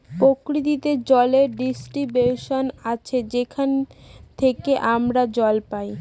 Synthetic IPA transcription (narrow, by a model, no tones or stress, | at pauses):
pokɾit̪it̪ed͡ʑɔleɾɖisʈɾibjuʃonat͡ɕʰed͡ʑekʰant̪ʰekeʔamɾad͡ʑɔlpaj